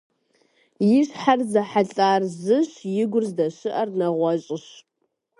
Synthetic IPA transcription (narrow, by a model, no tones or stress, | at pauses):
jɪɕħarzɐħaɬʼaːrzɨɕjɪɡʷʊrzdɐɕɨʔɐrnɐʁʷɔɕʼɪɕ